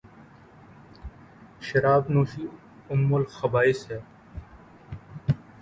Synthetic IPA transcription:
ʃɐɾaːbnuːʃiː | ʊmːulxɐbaːiseː

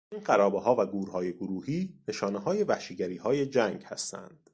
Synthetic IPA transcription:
iːnɢæɾɒːbeɦɒːvæɡuːɾhɒːje̞ɡoɾuːhiːneʃɒːne̞ɦɒːje̞væhʃiɟæɾiːhɒːje̞d͡ʒæŋɡhæ̰st̪æ̰nd̪̥

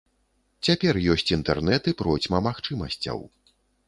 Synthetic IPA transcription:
t͡sʲapʲɛrjɔsʲt͡sʲint̪ɛrnɛt̪ɨpɾɔt͡sʲmɐmaxt͡ʂɨmɐ̰sʲt͡sʲɐ̰w

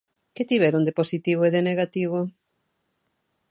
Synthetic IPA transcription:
kɪt̪iβɛɾund̪eposit̪iβ̞oeðeneɣat̪iβo

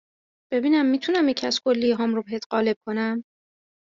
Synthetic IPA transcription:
b̥e̞biːnæmːiːt̪ʰunæmjecʰæskʰo̞lːijeɦɒːmɾobeɦet̪ɢɒːle̞b̥̚kʰo̞næm

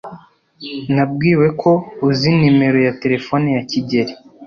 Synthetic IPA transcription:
nabɡiːwe̞kʰo̞uzinime̞ɾo̞jate̞ɾe̞fonijaciɟeɾi

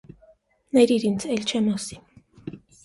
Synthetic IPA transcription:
nɛɾiɾint͡sʰɛlt͡ʃʰɛmɔsi̥

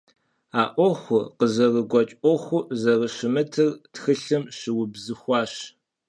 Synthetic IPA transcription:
aːʔʷɔxʷʊqəzɐrəɡʷɔt͡ʃʼʔʷɔxʷʊzɐrəʃɪmɨtʰɨrtxɨɬɨmɕɪwʊbzɨxʷɑːɕ

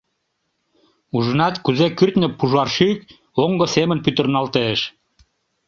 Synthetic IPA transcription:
uʒənɑt̪kuzekyrt̪nĕpuʒɑrʃyk̚ | oŋɡɤsemənpyt̪ə̆rnɑlt̪eʃ

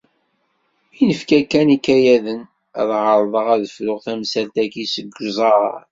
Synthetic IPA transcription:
inəfkækːænikːæjæðən | æ̰ðʁəɾˤðˤəʁæðəflʊʁθæmsælt̪ækisəɡːzˤɑɾ

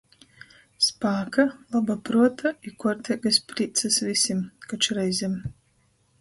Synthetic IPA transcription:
spaːkalˠabapɾuɔt̪ʰaikuɔɾt̪ʲɛɡɨspɾiːt̪sɨsvisʲimkat͡ʃɾɛjzʲɛm

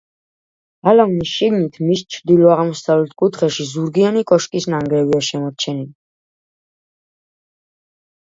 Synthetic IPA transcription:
alamnisʃiɡnit̪ʰmist͡ʃʰd̪ilɔaʁmɔsavlɛt̪ʰkʼut̪ʰχɛʃizuɾɡianikʼɔʃkʼisnaŋɡɾɛviaʃɛmɔɾt͡ʃʰɛnili

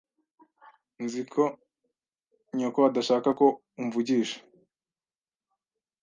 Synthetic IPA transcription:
nzikʰo | ɲokoadaʃaːkako̞ | uɱvuɟiːʃḁ

